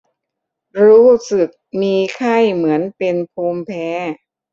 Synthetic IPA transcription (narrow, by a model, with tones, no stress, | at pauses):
ɾuː˦˥sɯ˨˩k̚miː˧kʰa˥˩jmɯ˩˦ənpe˧npʰuː˧mpʰɛː˦˥